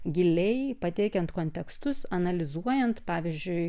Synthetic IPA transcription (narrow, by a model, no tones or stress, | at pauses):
ɡʲɪlʲɛjpɐt̪ʲɛɪkʲɛnt̪koːnʲt̪ʲɛkst̪ʊsɐnɐlʲɪzuɔjɛnt̪pɑːʋʲɪzʲd͡ʒʲʊɪ